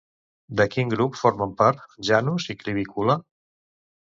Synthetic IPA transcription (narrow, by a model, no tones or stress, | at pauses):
d̪əkiŋɡɾupfoɾməmpaɾt̪ʒanuzikɾiβ̞ikula